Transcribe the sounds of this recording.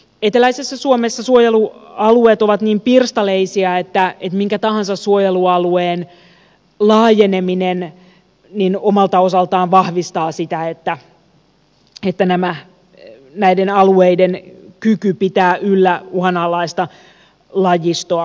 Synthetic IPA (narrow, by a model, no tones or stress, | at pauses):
et̪elæisesːæsuomesːɑsuojeluɑlueːt̪oʋɑt̪niːmpirst̪ɑleisiɑet̪ːæet̪miŋkæt̪ɑhɑnsɑssuojeluɑlueːn | lɑːjeneminen | ninomɑlt̪ɑosɑlt̪ɑːnʋɑhʋist̪ɑːsit̪æet̪ːæ | et̪ːænæmæ | næidenɑlueidenkykypit̪æːʔylːæuhɑnɑːlɑist̪ɑ | lɑjist̪oɑ